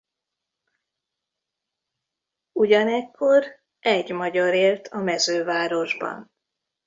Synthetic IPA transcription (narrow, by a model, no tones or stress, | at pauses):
uɟɒnɛkʰːo̞ɾ | ʔɛɟmɒɟɒɾeːlt̪ʰɒmɛzøːvaːɾo̞ʒbɒ̰n